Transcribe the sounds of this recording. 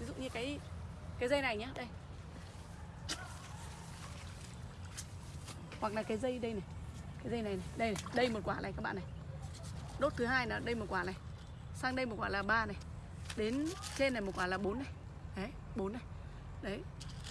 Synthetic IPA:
vi˨˦zṵ˧˨ʔɲɨ˧kaː˨˦jkaː˨˦jzə˧jna˨˩jɲaː˨˧˦ɗə˧j | hwa˨˩k̚laː˨˩kaː˨˦jzə˧jɗə˧jna˨˩jkaː˨˦jzə˧jna˨˩jna˨˩jɗə˧jna˨˩jɗə˧jmo˨˩t̚kwaː˧˩laː˨˩kaː˦˥ɓa̰ː˧˨na˨˩j | ɗo˦˥t̚t̪ʰɨ˨˦ɦaː˧jna˨˩ɗə˧jmo˨˩t̚kwaː˧˩laː˨˩j | saː˧ŋɗə˧jmo˨˩t̚kwaː˧˩laː˨˩ɓaː˧na˨˩j | ɗe˨˦nt͡ɕe˧nː˨˩jmo˨˩t̚kwaː˧˩laː˨˩ɓo˨˦nːa˨˩j | ɗə˨˦j | ɓo˨˦nːa˨˩j | ɗə˨˦j

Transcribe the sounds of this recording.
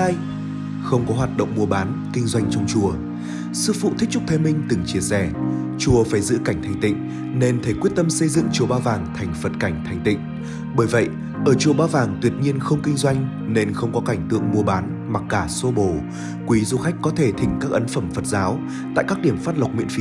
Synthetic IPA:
a˧j | xə˧wŋ͡mkɔ˨˦ɦwaː˨˩t̚ɗə̰˧˨wŋ͡mmu˧əɓaː˨˦n | kï˧ŋ̟zwa˧jŋ̟t͡ɕɔ˧wŋ͡mt͡ɕu˨˩ə | sɨ̰˧˨fṵ˧˨t̪ʰi˦˥k̚t͡ɕʊ˦˥t̪ʰe˨˦mï˧ŋ̟t̪ɨ˨˧˩ŋt͡ɕi˧˩əsɛ˧˩ | t͡ɕu˨˩əfaː˧˩jzɨ̰˧˥ka˧˩jŋ̟t̪ʰjŋ̟t̪ḭ̈˧˨ŋ̟ | ne˧nt̪ʰe˧˩kwət̚t̪ə˧msə˧jzɨ̰˧˨ŋt͡ɕu˨˩əɓaː˧wvaː˨˩ŋt̪ʰa˨˩jŋ̟fə˨˩t̚ka˧˩jŋ̟t̪ʰa˨˩jŋ̟t̪ḭ̈˧˨ŋ̟ | ɓəː˧˩jvə̰˧˨j | ʔəː˧˩t͡ɕu˨˧˩əɓaː˧vaː˨˩ŋt̪wi˨˩ət̚ɲi˧ənxə˧wŋ͡mkï˧ŋzwa˧jŋ̟ | ne˧nxə˧wŋ͡mkɔ˨˦ka˧˩jŋ̟t̪ɨ̰˧˨əŋmu˧əɓaː˨˦n | ma˨˩k̚ːaː˧˩so˧ɓo˧˩ | kwi˨˦zu˧xa˦˥jk̟̚kɔ˨˦t̪ʰe˧˩t̪ʰï˨˩ŋ̟kaː˦˥k̚ʔə˨˦nfə˧˩mfə˨˩t̚zaː˨˦w | t̪a̰ː˧˨jkaː˦˥k̚ɗi˧˩əmfaː˦˥t̚lə˨˩k͡p̚mḭ˧˨ənfi˨˦

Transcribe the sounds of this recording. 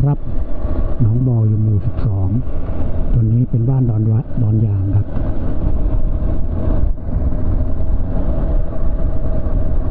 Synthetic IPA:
kʰɾa˦˥p̚ | nɔː˩˦˥ŋbɔː˧juː˨˩muː˨˩si˨˩p̚sɔː˩˦ŋ | t̪o˧nːiː˦˥pe˧nbaː˥˩nː˧˦bɔː˧njaː˧˩ŋkʰa˦˥p̚

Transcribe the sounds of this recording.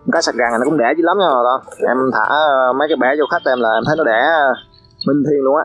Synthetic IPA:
m˨˩kaː˨˦jsa˨˩ɣa˨˩ŋː˨˩n˨˧kʊ̰˧˦ŋ͡mɗɛ˧˩zi˨˦la˨˦mɲa˧˨˩ɗɔ˨˧˦ʔɛ˧mt̪ʰa̰ː˧˩mə˨˦jkaː˨˦jɓɛ˧˩zo˧xa˦˥k̚t̪ːmlaː˨˩ʔɛ˧mt̪ʰə˨˦jnɔ˨˦ɗɛ˧˩ | mï˨˩ŋ̟t̪ʰi˧əŋlʊ˧əŋaː˨˧˦

